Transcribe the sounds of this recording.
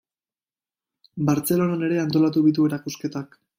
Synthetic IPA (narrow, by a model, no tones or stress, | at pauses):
baɾt͡se̞lo̞nane̞ɾe̞ant̪o̞lat̪̬uβit̪ue̞ɾakuske̞t̪ak